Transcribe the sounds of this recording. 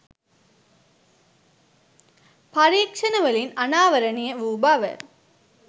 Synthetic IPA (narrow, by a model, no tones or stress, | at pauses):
pɐɾeːkʂɐnɐʋɐlinɐnaːʋɐɾɐnijɐʋuːbaːʋɐ̰